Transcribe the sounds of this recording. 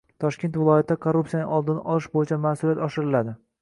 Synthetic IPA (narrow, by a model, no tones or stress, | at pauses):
t̪ʰɒʃkʲnt̪vɪlˠɒjat̪ʰɪd̪akʰoɾːup̚sijanɪŋʔɒlˠd̪ɪnɪʔɒlɪʃbojɪt͡ʃʰamasʊliat̪ɒʃɪɾɪlad̪ɪ